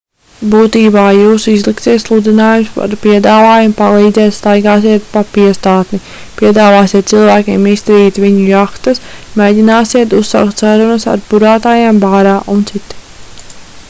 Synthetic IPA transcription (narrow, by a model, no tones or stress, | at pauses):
buːt̪iːbaːjuːsizlˠikt̪siɛt̪slˠud̪inaːjumspa̰ɾpiɛd̪aːvaːjumpalˠiːd̪zɛːt̪st̪ajɡaːsiɛt̪̚papiɛst̪aːt̪ni | piɛd̪aːvaːsiɛt̪̚silˠvæːkʲeɛmist̪ɾiːt̪viɲujakt̪ɐsmeːɟinaːsiɛt̪ussːa̰wk̚t̪saɾunɐsa̰ɾbuɾaːt̪aːjaːmbaːɾaːʔunt̪sit̪i̥